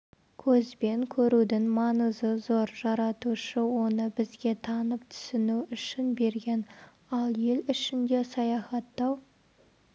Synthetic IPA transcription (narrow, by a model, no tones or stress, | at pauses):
kʲʰɵzbe̞ŋkʲʰɵɾud̪ɪŋmɑnəzəzo̞ɾʒɑɾɑt̪uʃəwo̞nəbɪzɡʲe̞t̪ʰɑnəp̚t̪ʰʏ̥sɪnuʏʃɪnbe̞ɾɡʲe̞n | ɑlˠje̞lʏʃɪnd̪e̞sɑjɑχɑt̪ːɑw